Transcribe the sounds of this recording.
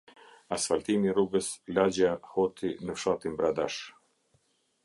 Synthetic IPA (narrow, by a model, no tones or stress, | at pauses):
asfalt̪imiruɡəslad͡ʑahɔt̪ʰinəfʃat̪imbɾad̪aʃ